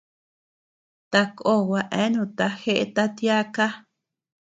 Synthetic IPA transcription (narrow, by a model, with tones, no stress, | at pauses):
t̪a˧ko˦˨wʷa˧ʔẽ˦nũ˧˨t̪a˧xe˦ʔḛ˦t̪a˦t̪ja˦ka˦